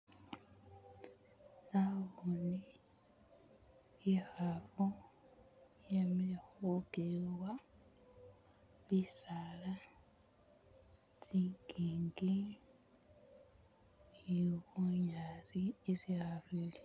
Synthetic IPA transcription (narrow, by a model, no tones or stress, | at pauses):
naβuni | ixaβo | jamilexuɡewa | βisala | z̥iːŋɡiːŋɡi | iɣuɲaːzieziaβili